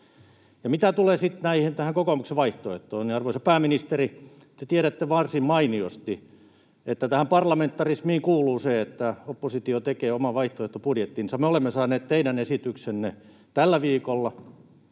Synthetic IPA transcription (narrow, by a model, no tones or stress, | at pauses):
jɑmit̪æt̪uleːsit̪næihent̪æhæŋkokomukseʋʋɑiht̪oet̪ːˑoːniɑrʋoisɑ̥pæːminist̪eri | t̪et̪iæɾæt̪ːeʋɑrsimmɑiniost̪i | et̪ːæt̪æhæmpɑrlɑment̪ːɑrismiːŋkuːluːseet̪ːæopːosit̪iot̪ekeːomɑʋɑiht̪oeht̪ːopudjet̪ːiːnsɑmeolemːesɑːneːt̪t̪eidænesit̪yksenːe | t̪ælːæʋiːkolːɑ